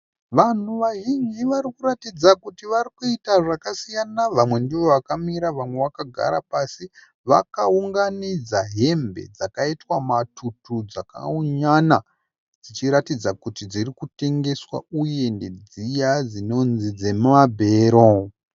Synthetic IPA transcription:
ʋan̤uʋaɦiɲd͡ʒiʋaɾikuɾatid͡zakutiʋarikuitaʐakasijanaʋamwe̞ndiʋo̞ʋakamiɾaʋamwe̞ʋakaɡʱa̰ɾa̰pasi | ʋa̰kauŋɡanid͡zaɦe̞mbe̞̰d͡zakaitwamatʰutud͡zaka̰uɲana | d͡zit͡ʃiɾatid͡zakutid͡zirikute̞ŋɡe̞swa̰uje̞nde̞d͡zijad͡zino̞nzid͡ze̞mabʱe̞ɾo

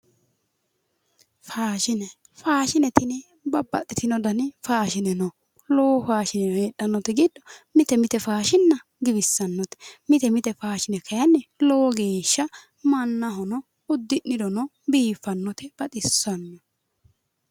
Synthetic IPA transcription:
faːʃɪnɛ | faːʃɪnɛt̪ɪnɛ | bɐbːɐt̪ʼːɪt̪ɪnɔd̪ɐnɪfaːʃɪnɛnɔ | lɔːfaːʃɪnɛnɔeːɗːɐnːɔt̪ɛɡɪd̪ːɔmɪt̪ɛmɪt̪ɛfaːʃɪnːɐ | ɡɪbɪsːɐnːɔt̪ɛ̥mɪt̪ɛmɪt̪ɛfaːʃɪnɛkʰɐjɐnːɛlɔwɔɡe̞ːʃːɐ | mɐnːɐɦɔnɔ | ʊd̪ːɪnːɪd̪ɔnɔ | biːfːɐnːɔt̪ɛb̥ɐt̪ʼɪsːɐnːɔ

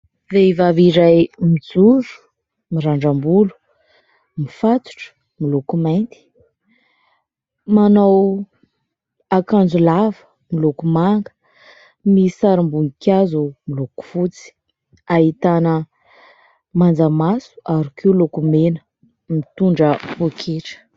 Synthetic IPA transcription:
veivaviɾajmid͡zuɾu̥ | miɾaɳɖ͡ʐambulu̥ | mifat̪u̥ʈ͡ʂə̥ | milokumajnt̪i̥ | manaw | akand͡zulavə̥ | milokumaŋɡə̥ | misaɾimbunikʲazumiloku̥fut͡si̥ | ait̪anə | mand͡zamasu̥aɾikʰewlokumenə̥ | mit̪uɳɖ͡ʐəpukʰeʈ͡ʂə̥

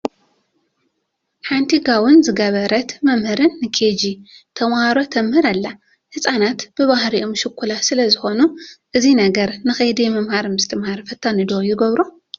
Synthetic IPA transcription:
ħant̪ʰiɡawʊnzɨɡɐβɐɾɐt̪mɐmhɨɾɨnːɨkʰed͡ʒit̪ʰɐmaaɾo̞t̪ʰɐmhɨɾalːa | hɨsʼanat̪b̥ɨβahɾiʔomʃɨkʰʷːulasɨlɐzɨxo̞nuʔɨzinɐɡɐɾnɨxɐjd̪iɛmɐmhaɾmɨst̪ʰɨmhaɾfɐt̪ʰːanɨd̪ojɪɡɐβɾo

